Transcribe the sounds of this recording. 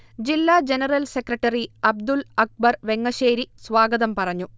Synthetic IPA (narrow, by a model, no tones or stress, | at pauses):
d͡ʑilːaːd͡ʑenɐrɐlsekrɐʈːɐriɐb̚d̪ulɐk̚bɐrʋeŋːɐɕeːɾisʋaːɡɐðɐmpɐrɐɲːu